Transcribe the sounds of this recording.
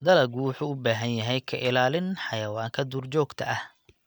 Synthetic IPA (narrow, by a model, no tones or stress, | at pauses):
d̪ɐlɐɡuwʊħuːʊbaːɦɐnjɐɦɛjkʰɐʔɪlaːlɪnħɑjɐwaːŋkʰɐd̪uːrt͡ʃɔːɡt̪ʰɐʔɐh